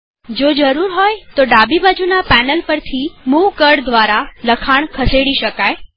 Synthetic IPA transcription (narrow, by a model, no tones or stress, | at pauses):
d͡ʒod͡ʒəɾuɾɦɔjt̪oɖabibad͡ʒunapænəlpəɾt̪ʰimuʋkəɽd̪ʋaɾaləkʰaɳ̃kʰəseɽiʃəkaj